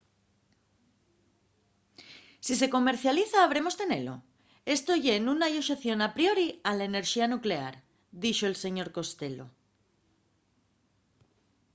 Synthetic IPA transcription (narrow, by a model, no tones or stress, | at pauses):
sis̬e̞ko̞me̞ɾθjaliθaːβ̞ɾe̞mo̞st̪e̞ne̞lo̞̰ | e̞st̪o̞ʝe̞nunajoʃeθjo̞napɾio̞ɾialaene̞ɾʃianukle̞a̰ɾ | d̪iʃo̞else̞ɲo̞ɾko̞st̪e̞lo̞̰